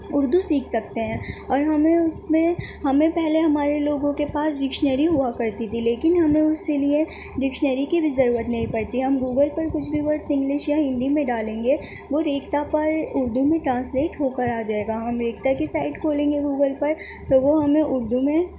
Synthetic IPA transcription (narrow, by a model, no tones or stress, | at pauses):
ʊɾd̪ʱusiːkʰsɐkt̪eɦɛ̃ːɔːɾɦɐmẽʊsmẽɦɐmẽpɛɦleɦɐmaːɾeloːɡõkepaːsɖɪkʃnəɾiɦuakɐɾt̪it̪ʰileːkɪnɦɐmẽʊskelie | ɖɪkʃnəɾikibʱizɐɾuːɾət̪nɐɦĩpɐɽt̪iɦɦɐmɡuːɡəlpɐɾkʊt͡ʃʰbʱiʋɐɾsɪ̃ŋɡlɪʃjaɦɪ̃nd̪imẽɖaːlẽːŋ̆ɡe | ʋoɾeːkt̪apɐɾʊɾd̪ʱumẽʈɾãːnsleːʈɦoːkəɾaːd͡ʒaːeːɡaɦɐmɾeːk̚t̪akisaːɪʈkoːlẽːŋɡeɡuːɡəlpɐɾ | t̪oʋoɦɐmẽʔʊɾd̪ʱumẽ